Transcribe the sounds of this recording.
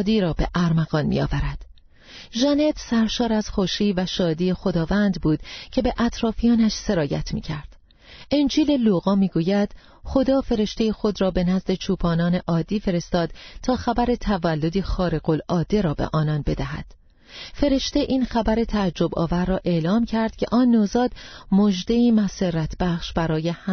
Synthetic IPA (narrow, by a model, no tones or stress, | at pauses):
d̪iːɾɒːbe̞̰ʔæɾmæɣɒːnmḭɒ̰ːvæɾæd̪̥ | ʒene̞t̪ʰsæɾʃɒːɾæz̥xoʃiːvæʃɒːd̪iːexo̞d̪ɒːvænd̪buːd̪̥cʰe̞be̞ʔæt̪ʰɾɒːfijɒːnæʃse̞ɾɒːjæ̰t̪ʰmḭːcʰæɾd̪̥ | end͡ʒiːle̞loɣɒːmiːɡuːjæd̪̥ | χo̞d̪ɒːfe̞ɾe̞ʃt̪e̞jexo̞d̪ɾɒːbe̞næzd̪e̞t͡ʃʰuːpʰɒːnɒːne̞ʔɒːd̪ːiːfe̞ɾe̞st̪ɒːd̪̥t̪ʰɒːxæbæɾe̞t̪ʰævælːo̞d̪ixɒːɾe̞ɣolɒːd̪ːe̞ɾɒːbḛʔɒːnɒnbe̞d̪æɦæ̰d̪̥ | fe̞ɾe̞ʃt̪e̞ʔiːnxæbæɾe̞t̪ʰæːd͡ʒːo̞bɒ̰ːvæɾːɒːʔe̞ʔlɒːmcʰæɾd̪̥cʲʰe̞ʔɒːnːozɒːd̪̥mod͡ʒd̪eiːmæserːæt̪ʰb̥æxʃbæɾɒːje̞h